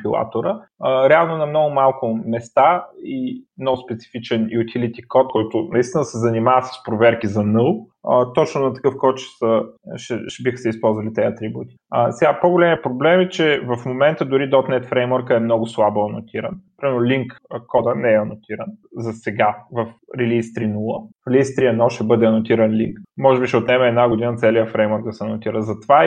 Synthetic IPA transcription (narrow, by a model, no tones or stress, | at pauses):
pilˠa̰t̪oɾə | əɾɛalˠnʊnɐmnɔɡʊmalˠkʊmɛst̪aimnɔɡʊspɛt̪si̥fit͡ʃɛnjʊt̪ʰʲilit̪ʲikɔt̪̚kɔjt̪ʊnɐist̪inəsɛzɐnimavət̪sə̥spɾovɛɾkizɐnɤlˠ | ət̪ɔt͡ʃnʊnɐt̪ɐ̥kɤfkɔt̪ʃɛ̥səʃɛʃbixəsɛispɔlˠzvɐlit̪ɛɐt̪ɾibut̪i̥əsɛɡapoɡolʲɛmiɛpɾoblɛmɛt͡ʃɛvɐfmomɛnt̪əd̪ʊɾid̪ɔt̪nɛt̪fɾɛjmɔɾkəɛmnɔɡʊslˠaboɐnot̪ʰiɾɐnpɾimɛɾnʊlʲiŋkkɔd̪ənɛɛɐnot̪ʰiɾənzɐsɛɡavɐfɾɛlʲist̪ɾinulˠəlist̪ɾiɐnɔʃt̪ɛbɤd̪ɛɐnʊt̪iɾɐnlʲiŋkmɔʒɛbiʃɛot̪nɛmɐɛːd̪naɡʊd̪inət̪sɛliəfɾɛjmɔɾk̚d̪ɐsɛɐnʊt̪iɾəzɐt̪ova